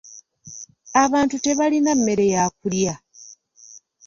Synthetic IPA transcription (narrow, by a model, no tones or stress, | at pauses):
aβaːntute̞βalinamːe̞ɾe̞jaːk̚ulja